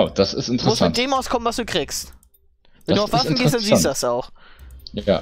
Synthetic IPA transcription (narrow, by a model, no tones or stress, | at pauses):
ʊd̥asɪ̰stɪntʁʊsd̥eːmaʊskʰɔmənvasd̥uːkʁ̥iːkst | vɛnduːaʊfv̥asnɡeːs̬td̥anziːstuːdasaʊx | a̰ː